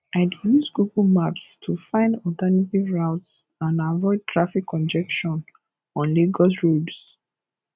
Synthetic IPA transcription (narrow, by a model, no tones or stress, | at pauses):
aɪdjusɡuɡɔlmapstʰufãɪ̃ndɔltɛnativɹaʊts | ãndavɔɪd̚tʰɹafikʰːɔ̃nd͡ʒɛkʃɔ̃n | ɔ̃nleɡɔs̬ɹobs